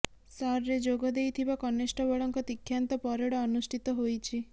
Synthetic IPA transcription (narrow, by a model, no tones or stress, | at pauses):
saɾːed͡ʒoɡɔd̪ejt̪ʰibakɔnesʈɔbɔɭɔŋkɔt̪ikʰːjant̪ɔpɔɾɔɽɔːnusʈʰit̪ɔɦojt͡ʃʰi